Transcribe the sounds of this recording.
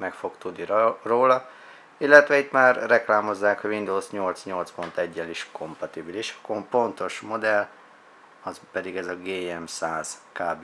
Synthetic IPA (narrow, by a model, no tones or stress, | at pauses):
mɛkfo̞kt̪ud̪niroːlɒ | ilːɛt̪ʋɛit̪maːrːɛklaːmo̞zːaːkhɒʋind̪oːsɲo̞lt̪sɲo̞lt̪spo̞nt̪ɛɟːɛliʃkʰo̞mpɒt̪ibiliʃɒ̥kompo̞nt̪o̞ʃmo̞d̪ɛl | ɒzpɛd̪iɡɛzɒɡeːɛmsaːz̥kaːb